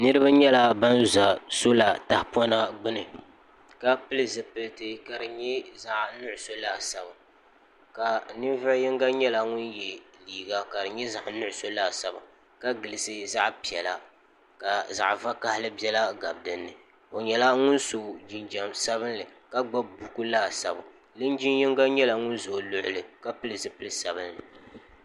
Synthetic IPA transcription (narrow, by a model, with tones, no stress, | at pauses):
nɨ˦ɾɨ˦ba˦ɲɛ˦la˦ba˦nza˨so˦la˨ta˨hpɔ˦na˦ɡ͡bɨ˦nɨ˨ | ka˦pɨ˦lɨ˦˨zɨ˨pɨ˨ltɨ˦ka˨dɨ˨ɲɛ˦za˨ʔnʊ˦ʔʊ˨so˦laː˦˨sa˨ba˨ | ka˨nɨ˦va˦jɪ˦ŋɡa˦ɲɛ˦la˦ŋʊ˦njɛ˨liː˨ɡa˦ka˨dɨ˨ɲɛ˦za˨ʔnʊ˦ʔʊ˨so˦laː˦˨sa˦˨ba̰˨ | ka˦ɡɨ˨lɨ˨sɨ˦za˦ʔpi˨ɛ˨la˦ | ka˨za̰˨ʔva˦ka˦hɪ˦lɨ˦bjɛ˦la˦ɡa˨bdɨ˦nːɨ˨ | o˨ɲɛ˦la˦ŋʊ˦nso˨d͡ʒi˨nd͡ʒa˨msa˦βɨ˦nlɨ˨ka˦ɡ͡ba˦bu˨ku˦laː˦˨sa˨ba˨ | lɨ˦nd͡ʒi˦njɪ˦ŋɡa˦ɲɛ˦la˨ŋʊ˦nzo˨lʊ˦ʔʊ˦lɨ˨ka˦pɨ˦lɨ˨zɨ˦pɨ˦lɨ˦sa˨bɨ˦nlɨ˨